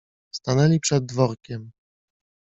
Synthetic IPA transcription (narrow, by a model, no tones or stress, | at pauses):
st̪anɛlʲipʂɛd̪̚ːvɔɾkʲɛm